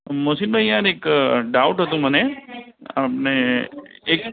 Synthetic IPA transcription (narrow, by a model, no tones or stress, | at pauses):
mosinbajaɾekɖaʊʈɦət̪ũm̤əne | apne | ek